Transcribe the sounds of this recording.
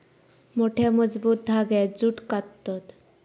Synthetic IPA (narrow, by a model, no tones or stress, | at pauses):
moʈʰɛməd͡zbut̪̚d̪ʱaɡɛd͡zuʈkat̪ːɔt̪